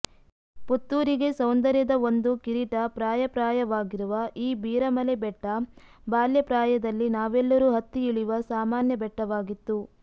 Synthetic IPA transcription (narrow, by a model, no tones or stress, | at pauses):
put̪ːuːɾiɡe̞sɐwnd̪ɐɾjɐd̪ɐo̞nd̪ukiɾiʈɐpɾaːjɐpɾaːjɐʋaːɡiɾuʋɐʔiːbiːɾɐmɐlebɛʈːɐbaːljɐpɾaːjɐd̪ɐlːinaːʋɛlːɐɾuːɦɐt̪ːiiɭiʋɐsaːmaːnjɐbɛʈːɐʋaːɡit̪ːu